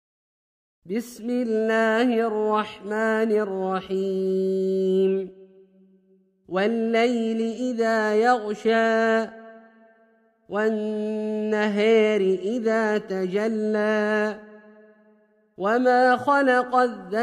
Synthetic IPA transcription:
bɪsmɪlːaːhɪʔɑrˤːɑħmaːnɪʔrˤːɑħiː | m | walːajlɪʔɪðaːjɑɣʃaː | wanː | aɦaːɾɪʔɪðaːt̪ad͡ʒalːaː | wamaːxɑlɑqɑðːa

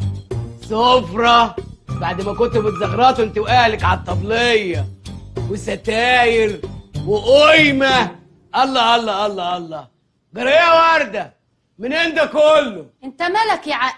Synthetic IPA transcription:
sofɾˤɑbaʕd̪mækont̪ubɪt̪zɑɣɾˤɑːt̪wʔent̪ewʔæːhlækʕat̪ˤːɑblejːɑwesæt̪æːjeɾweʔojmæ | ʔɑlˤːɑːʔɑlˤːɑːʔɑlˤːɑʔɑlˤːɑː | ɡɑɾˤejːæwɑɾˤd̪æ | mɪnʕend̪ækolːoʔent̪æmælækjʕa

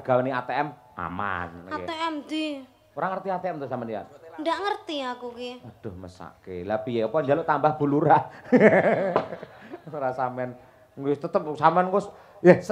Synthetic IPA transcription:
ɡ̥awniat̪eɛm | a̰ma̰nkat̪eɛmd̪i | oɾaŋərt̪iat̪eɛmt̪ʊsamɛna̰ndaʔŋərt̪iakukiod̪̥ɔhməsa̰ʔkelapijepɔɲd͡ʒalʊʔt̪ambahb̥ṳluɾa | uɾasamɛn | ŋʊst̪ət̪əp̚samɛnkʊs | jɛhs

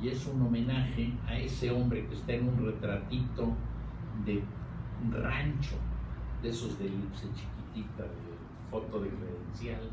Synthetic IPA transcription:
ie̞suno̞mẽ̞naxe̞aese̞o̞mbɾekest̪aenunre̞t̪ɾat̪it̪o̞ | ðe̞ | rant͡ʃod̪e̞so̞zðelipset͡ʃi̥kit̪it̪aðe | fo̞t̪o̞ðekɾeðensjal

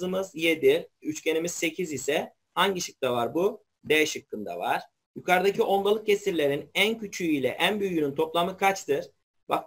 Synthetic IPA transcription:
ɯmɯzjed̪iyt͡ʃcʰe̞nimizse̞cʰizisɛ | haɲɟiʃɯk̚t̪avaɾbu | d̪ɛjʃɯkːɯnd̪a̰va̰ɾ̥ | jukʰaɾɯd̪acʰiʔo̞lˠb̪alˠɯk̚cʰe̞siɾlʲe̞ɾinæncʰyt͡ʃʰyyilʲɛ̰ʔænbyjynynt̪ʰo̞plˠamɯkʰat͡ʃt̪ʰɯɾ̥ | ba̰k̚

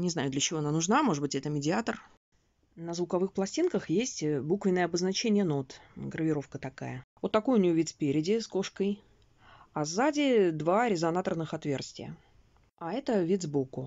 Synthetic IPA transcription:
nʲɪznajʊd̪lʲət͡ɕɪvoɐnanʊʐnamo̞ʐɨbɨtʲɛt̪əmʲɪdʲɪat̪ər | nəzvʊkɐvɨxplˠɐsʲtʲinkəxjesʲtʲbukvʲɪnəjəɐbəznɐt͡ɕenʲɪjəno̞t̪ɡɾəvʲɪɾo̞fkət̪ɐka̰jəvot̪ːɐko̞jʊnʲɪjovʲit̪spʲeɾʲɪdʲɪsko̞ʂkəj | azadʲɪd̪vaɾʲɪzɐnat̪ərnɨxɐt̪vʲe̞rsʲtʲɪjə̰ | aɛt̪əvʲit̪zbokʊ

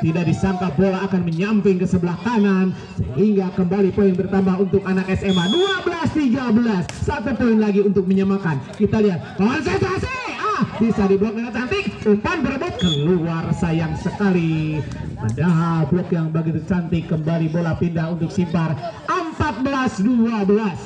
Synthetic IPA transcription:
t̪idak̚disaŋkabolaːkanməɲampɪŋkəsəbəlahkanan | sə̰ɦiŋɡakəmbalipoɪŋbərt̪ambaɦunt̪ʊkanakɛsɛmaduabəlast̪iɡabəlasːat̪utoɪnlaɡiunt̪ʊk̚məɲamakankit̪aliɦat̪̚kawansad͡ʒaseabisadibəlɔk̚əŋat͡ʃant̪ɪkuŋkanbəɾabakəluarsajaŋsəkali | a̰daɦalblɔkjaŋbaɡit̪ut͡ʃant̪ɪkəmbalibolahpindaɦunt̪ʊk̚simparʔəmpat̪̚bəlasduabəlas

